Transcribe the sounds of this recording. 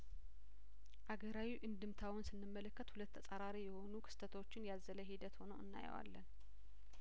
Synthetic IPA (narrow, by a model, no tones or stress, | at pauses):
ʔaɡəɾawiʔɨnd̪ɨmt̪ʰawʊnsɨnːɨmːələkːət̪hulət̪ːʰəsʼaɾaɾijɛho̞nukʰɨ̥st̪ʰət̪ʰwot͡ʃːɪnjazələɦid̪ət̪ho̞nəwɨnːa̰j̰wa̰lːən